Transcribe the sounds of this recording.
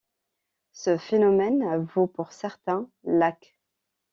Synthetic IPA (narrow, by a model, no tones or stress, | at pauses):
səfenɔmɛnvopuʁsɛʁt̪ɛ̃lak